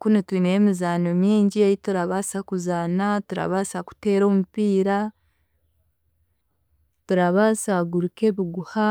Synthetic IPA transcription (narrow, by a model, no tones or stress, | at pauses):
kunitwiːnemizaːnomiːɲɟiajituɾaβasakuzaːnatuɾa̰βaːsaku̥te̞ːɾo̞ːmupiːɾa | tuɾaβasaɡuɾuke̞βiɡuha